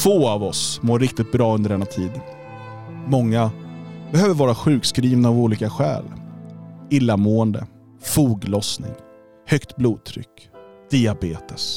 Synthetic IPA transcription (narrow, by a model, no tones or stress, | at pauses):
foːavɔsmoːɾɪkt̪ɪt̪̚bɾɑːɵnd̪əɖɛnːat̪ʰiːd̪ | mɔŋːa | bɛhøːvəɾvɑːɾaɧʉ̟ːkskɾiːvnaːvuːliːkaɧɛ̰ːl | ɪlːamuːɛnd̪ə̰ | fuːɡlɔsnɪ̰ŋ | hœkt̪bluːd̪̚t̪ʰɾʏ̰kː | d̪̥ɪabeːt̪əs